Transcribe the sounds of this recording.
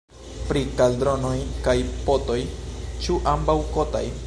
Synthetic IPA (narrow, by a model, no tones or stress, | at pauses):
pɾikaldɾo̞nojkajpoto̞jt͡ʃuʔambawkota̰j